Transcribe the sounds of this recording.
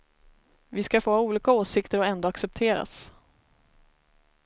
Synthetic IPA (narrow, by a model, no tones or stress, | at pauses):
vɪskafoːauːliːkaoːsɪkt̪əɾɔɛnd̪oːaksɛp̚t̪ʰeːɾa̰s